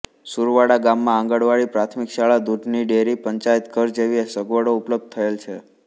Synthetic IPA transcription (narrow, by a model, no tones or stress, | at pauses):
suɾʋaɽaɡamːããŋɡəɽʋaɭipɾat̪ʰmikʃaɭad̪uɖʱniɖeɾipəɲt͡ʃajt̪kəɾd͡ʒeʋiesəɡʋəɽoupləb̚d̪̚t̪ʰəelt͡ʃʰe